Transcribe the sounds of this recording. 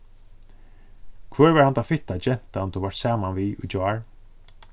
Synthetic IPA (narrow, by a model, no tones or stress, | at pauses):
kʰvœːɹʋɛɹhant̪afɪt̪ad͡ʒɛn̥t̪ant̪ʰɔvaɹʈt̪saːmanviːʔʊ̰d͡ʒaɹ